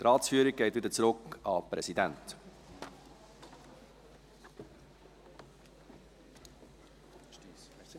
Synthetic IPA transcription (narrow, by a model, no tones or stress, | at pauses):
t̪ɾɑːtsfyːɾik̚ɡ̥ɛɪt̪vɪːd̪ət͡sɾʊkɑpɾɛsidɛnt